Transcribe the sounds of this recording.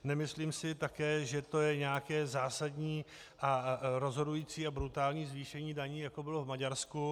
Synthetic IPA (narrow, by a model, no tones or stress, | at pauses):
nɛmɪsliːmsɪt̪akɛːʒɛt̪o̞jɛɲɛjakɛːzaːsadɲiː | ʔaɾo̞zɦo̞dujiːt͡siːabɾut̪aːlɲiːzviːʃɛɲiːdaɲiːjakobɪlovmaɟaɾsku